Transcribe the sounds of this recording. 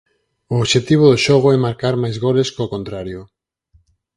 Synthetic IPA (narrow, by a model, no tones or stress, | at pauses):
ooβʃet̪iβ̞oðoʃoɣ̞oɛmaɾkaɾmajzɣoleskokont̪ɾaɾjo